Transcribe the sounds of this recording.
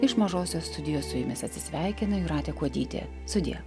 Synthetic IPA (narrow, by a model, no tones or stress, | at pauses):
ɪʃmɐʒoːsʲoːst̪ʊd̪ʲɪjoːssʊjɪmʲɪsɐt̪ʲsʲɪsʲʋʲæˑɪkʲɪnɐjuːɾɑːt̪ʲeːkuɔd̪ʲiːt̪ʲḛː | st̪ʊd̪ʲɪ̰jɛ̰